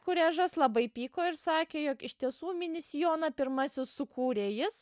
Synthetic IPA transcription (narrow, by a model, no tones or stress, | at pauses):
kʊɾʲæːʒɐslˠɐbɐɪpʲiːkoːɪɾsɑːkʲeːjoːkɪʃʲt̪ʲiɛsuːmʲɪnʲɪsʲɪjoːnɐpʲɪɾmɐsʲɪssʊkuːɾʲeːjɪs